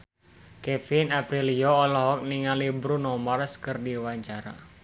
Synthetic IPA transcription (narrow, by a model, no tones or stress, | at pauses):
kɛfinapɾilijɔːlɔɦɔk̚niŋalibɾunɔmarskɨrdiwaɲt͡ʃaɾa̰